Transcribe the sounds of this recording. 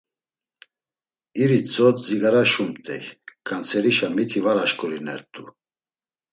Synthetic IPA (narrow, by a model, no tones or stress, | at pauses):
iɾit͡sʼɔt̪ziɡaɾaʃumt̪ʼɛ̰jkʰʼant͡sʰɛɾiʃamit̪ʰivaɾaʃkʼuɾinɛ̰ɾt̪ʼu